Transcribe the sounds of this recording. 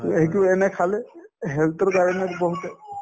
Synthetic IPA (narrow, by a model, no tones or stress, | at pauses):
eɦik̬uɛnɛkʰalɛɦɛlt̪ɔɹkaɹɔnɛkbɔɦutɛ